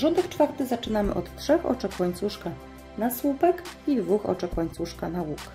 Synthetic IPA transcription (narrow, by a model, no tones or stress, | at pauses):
ʐɔnd̪ɛkt͡ʂfaɾt̪ɘzat͡ʂɘnamɘ̰ʔɔ̰t̪tʂɛxɔ̰t͡ʂɛxwaɲt̪suʂka | naswupɛkid̪vuxɔ̰t͡ʂakwaɲt̪suʂkanawuk